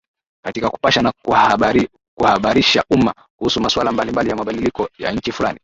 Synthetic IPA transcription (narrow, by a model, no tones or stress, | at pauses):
katikaku̥paʃana | kuhaɓaɾiʃaʔuma | kuhusumaswalambalimbalijamaɓaɗilikɔja̰ɲ̩t͡ʃifula̰ni